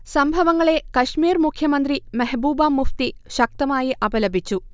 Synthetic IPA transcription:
sɐmbʱɐʋɐŋːɐɭe̞kɐʂmiːɾmukʰjɐmɐnd̪rimɐɦbuːbaːmːuft̪iʃɐk̚t̪ɐmaːjiʔɐbɐlɐbʱit͡ɕːu

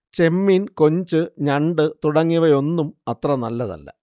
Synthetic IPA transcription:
t͡ɕe̞mːinko̞ɲd͡ʑɨɲɐɳɖɨt̪uɽɐŋːiʋɐjo̞nːumɐt̪rɐnɐlːɐðɐ̰lːɐ̰

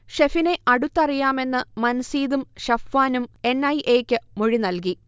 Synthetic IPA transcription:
ʂefine̞ʔɐɽut̪ːɐrijaːme̞nːɨmɐnsiːd̪umɕɐfːaːnume̞nɐjʔeːkʲːɨmoɻinɐlk̬i

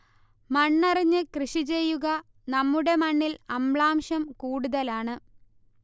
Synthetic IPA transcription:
mɐɳːɐriɲːɨkrɨʂit͡ɕe̞jːuɣɐ | nɐmːuɽe̞mɐɳːilɐmɭaːmɕɐmkuːɽuðɐlaːɳɨ

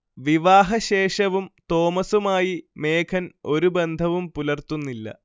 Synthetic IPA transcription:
ʋiʋaːɦɐɕeːʂɐʋumt̪o̞ːmɐsumaːjime̞ːkʰɐno̞ɾube̞nd̪ʱɐʋumpulɐrt̪unːilːɐ̰

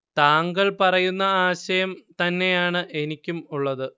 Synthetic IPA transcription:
t̪aːŋɡɐɭpɐrɐjunːɐaːɕɐjɐmt̪ɐnːe̞jaːɳɨʔe̞nikʲːumuɭːɐðɨ

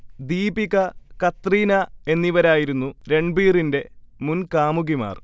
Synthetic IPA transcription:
d̪iːbiɣɐkɐt̪riːnɐe̞nːiʋɐɾaːjiɾunːuɾe̞ɳɖbiːrinde̞munkaːmuɣima̰ːr

